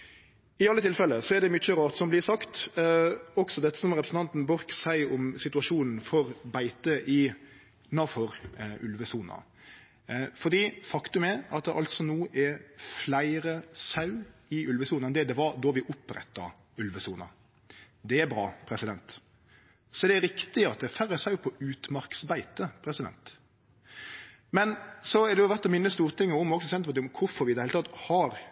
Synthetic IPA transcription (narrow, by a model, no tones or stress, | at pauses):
ɪɑlːət̪ʰɪlfɛlːəsɔɛɾd̪ɛmʏt͡ʃːəɾɑːt̪sɔmblɪsɑkt̪ | ɔksɔd̪ɛt̪ːə̥sɔmɾɛpɾsn̩t̪ɑnt̪n̩bɔɾksæɪɔmsɪt̪ʉɑʂuːnn̩fɔɾbæɪt̪əʔɪ | nɑfɔɾʉlʋəsuːnɑ̰ | fɔd̪iːfɑkt̪ʉmæɾɑt̪̚d̪ɛʔɑlt̪sɔnuːʔɛflæɪɾəsɑʉɪʔʉlʋəsuːnɑnd̪ɛd̪ɛʋɑɾd̪ɔʋɪʔʊpɾɛ̰t̪ːɑ̰ | ʉlʋəsuːnɑ̰ | d̪ɛæɾbɾɑ̰ːpʰɾɛsɪd̪ɛnt̪ | sɔd̪ɛæɾɪkt̪ɪɑt̪̚d̪ɛæɾfæɾəsɑʉpʰɔʉːt̪mɑɾksbæɪt̪əpʰɾɛsɪd̪ɛ̰nt̪ | mɛnsɔæd̪ɛjʊʋæɾt̪ɔmɪnːəst̪uːɾət̪ʰɪŋːəʊmɔksɔsɛnt̪əpʰɔt̪ɪʊmkʰʊfɔɾʋɪd̪ɛhɪlt̪ʰɑt̪ːhɑɾ